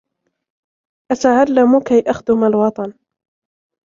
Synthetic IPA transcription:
ʔat̪aʕalːamʊkajʔaxd̪ʊmalwɑt̪ˤɑn

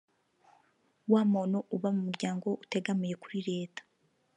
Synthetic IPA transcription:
waːmoːnoʔuβamumuɾɟaːŋɡo̞ʔute̞ɡamije̞kuɾiɾe̞ːtḁ

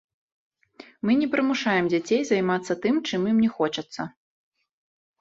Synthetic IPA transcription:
mɨnʲɛpɾɨmuʂajɛmd͡zʲat͡sʲejzajmat̪sːɐt̪ɨmt͡ʂɨmjimnʲɛxɔt͡ʂɐt̪sːɐ

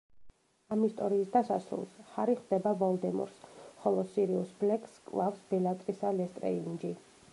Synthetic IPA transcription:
amist̪ʼɔɾiːsd̪asasɾṵlˠshaɾiχd̪ɛbavɔlˠd̪ɛmɔ̰ɾsχɔlˠɔsiɾiusblɛkʼskʼlˠafsb̥ɛlˠat̪ʼɾisalɛst̪ʼɾɛ̰und͡ʒi

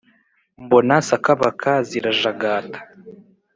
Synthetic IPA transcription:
mbonasakaβakʰaziɾaʒaɡaːtḁ

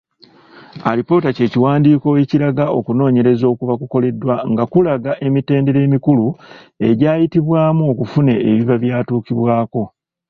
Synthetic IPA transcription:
a̰lipo̞ːtace̞ːciwaːndiːko̞weciɾaɡao̞̰kuno̞ːɲe̞ɾe̞zo̞ːkuβakuko̞le̞dːwaŋɡakulaɡaʔe̞mite̞ːnde̞ɾe̞ːmikulue̞ɟaːjitiβwaːmuo̞kufune̞ːβiβaβjaːtuːkiβwaːko̞

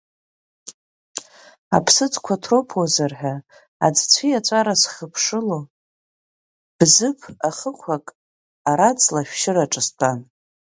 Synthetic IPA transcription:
a̰pʰsɨt͡sʼkʷʰatʰropʰwazarħʷᶣa | a̰d͡zt͡ɕʷʰiat͡ʃʷʼaɾasχəpʰʂɨlo | b̥zɨpʰaχəkʷʰakʼ | aɾat͡sʼlaʃᶣʃɪraʈ͡ʂʼɨstʷʰʼan

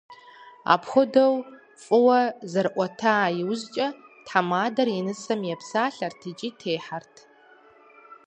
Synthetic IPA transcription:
a̰ːpʰxʷʊdɐw | fʼɨwɐzɐrʔʷɔtʰaːjɪwzt͡ʃʼɐtʰħamaːdɐrjɪnɨsɐmjɛpsaːɬɐrtʰɨt͡ʃʼiːtʰeːħartʰ

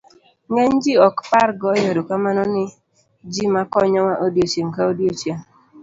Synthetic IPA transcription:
ŋen̩d͡ʒiɔkpaɾɡɔjɔdokamanɔnɪ | d͡ʒimakɔɲɔwaʔodiot͡ʃem̩kaodjot͡ʃia

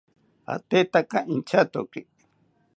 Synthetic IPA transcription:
a̰t̪et̪akaʔĩnt͡ʃat̪oki

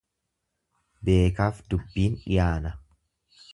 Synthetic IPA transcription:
be̞ːkaːfd̪ʊbːiːnɪ̰jaːnɐ

